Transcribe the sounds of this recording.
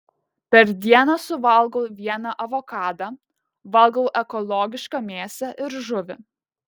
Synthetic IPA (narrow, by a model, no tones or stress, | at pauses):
pʲɛɾd̪ʲiɛnɐsʊʋɐlˠɡoʊʋʲiɛnɑʔɐʋɔkɑːd̪ɑː | ʋɐlˠɡɐʊʔɛkɔlˠɔːɡʲɪʃkɐmʲeːsʲɛʔɪɾʒʊʋʲɪ̰